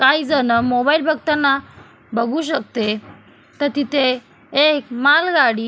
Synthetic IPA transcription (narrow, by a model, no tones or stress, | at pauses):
kaid͡zənəmobailbʱəɡ̚t̪anːa | bəɡuɕ̬ək̚t̪e | t̪əɾt̪it̪ʰeː | kmalɡaɽiː